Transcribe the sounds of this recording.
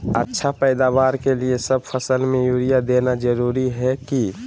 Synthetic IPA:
ətːʃʰapɛɪd̪abaːɾkeliesəb̚pʰəsəlmẽjuːɾijad̪enad͡ʒəɾuɾiɦɛki

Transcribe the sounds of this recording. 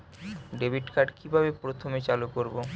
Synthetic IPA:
ɖebʱiʈkaɖkibʱabepɾot̪ʰomet͡ɕalukoɾbo

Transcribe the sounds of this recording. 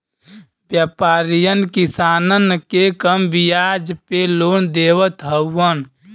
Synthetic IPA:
bjəpaːɾijənkisaːnənkekəmbijaːd͡ʒpeloːnd̪eːwət̪ɦəwːən

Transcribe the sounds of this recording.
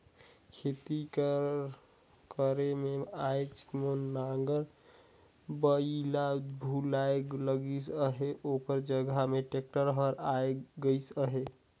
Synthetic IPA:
kʰet̪ik | kəɾemeajt͡ʃmonːaŋɡəɾ | bəilabʱulaeɡləɡisəɦeʔokəɾd͡ʒəɡameʈek̚ʈəɾɦəɾaeɡəɪsəɦe

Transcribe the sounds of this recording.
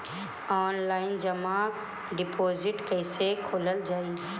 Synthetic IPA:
ɔːnlaːɪnd͡ʒɐmã | ɖɪpʰoːzɪʈkəɪsekʰoːləld͡ʒaːi

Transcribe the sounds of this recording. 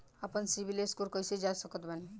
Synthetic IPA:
apənsibʱileskulkʌjsʰed͡ʒajsʌkɔt̪bani

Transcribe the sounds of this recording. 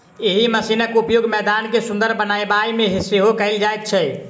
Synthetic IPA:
eɦiməsinəkupjoɡmɛd̪ankesũnd̪əɾbənajbaimeɦisiɦokəɪld͡ʒajt̪̚t͡ʃʰɛ

